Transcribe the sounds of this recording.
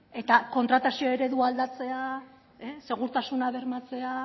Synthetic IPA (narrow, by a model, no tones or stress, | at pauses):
e̞t̪ako̞nt̪ɾat̪asioe̞ɾe̞ðuald̪at͡se̞a | ese̞ɣ̞uɾt̪asunaβe̞ɾmat͡se̞a